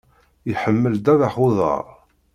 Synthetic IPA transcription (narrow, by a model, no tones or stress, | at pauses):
jħəmːəld̪æðaħʊðˤə̰ɾˤ